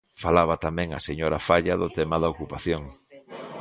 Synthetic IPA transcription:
falaβɐt̪amɛ̃ŋɐ̰seɲoɾafaʎɐðʊt̪ɛmaðɐokupaθjoŋ

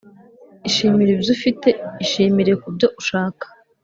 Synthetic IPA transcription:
iʃiːmiɾibzufite̞iʃiːmiɾijekubɟo̞ʔuʃaːkḁ

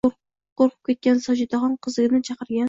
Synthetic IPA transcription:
qoɾqʰə̥p̚kʲet̪̚kʲɛnsɒd͡ʒɪd̪ɑʁɑnqʰəzɨɡʲɪnɪt͡ʃʰɑqəɾɡʲɛn

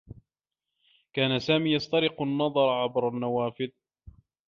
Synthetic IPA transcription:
kaːnasaːmiːjɑst̪ɑɾɪqnːɑðˤɑɾˤʕabɾˤanːawaːfɪð

